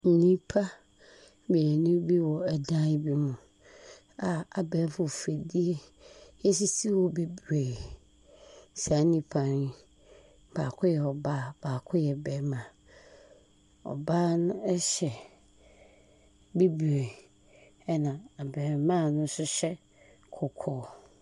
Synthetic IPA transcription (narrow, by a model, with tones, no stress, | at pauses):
n̩˨nĩ˦pʰa˦ | be˨nʊ̃˦bi˦wɔ˨ɛ˨dã˦bi˦mʊ̃˨ | a˨a˨bɛ˨˦fʊ˨fe˨di˦e˦e˦s̬i˦si˦wɔ˨be˨bɾe˨ | sa˨˦nĩ˦pʰa˨ni˦ | b̥aː˨kʰʊ˦jɛ˨ɔ˨baː˦b̥aː˨kʰʊ˦jɛ˨bɛ˨˦mã˨ | ɔ̰˨baː˦nʊ̃˦ɛ˦ɕɛ˨ | be˦bɾe˨ | ɛ˦nã˨a˨bɛ˨mã˦˨nʊ̃˦sʊ˦ɕɛ˦ | kʰʊ˨kʰɔː˨